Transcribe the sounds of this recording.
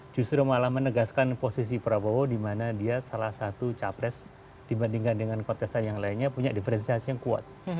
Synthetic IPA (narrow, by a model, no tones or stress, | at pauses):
d͡ʒust̪ɾomalahmənəɡaskanposis̬ipəɾabowodimanadiasalahsat̪ut͡ʃapɾɛs | d̥ibandiŋkandəŋankɔt̪ɛsanjaŋlainɲapuɲadifəɾɛnsiasijaŋkua̰t̪̚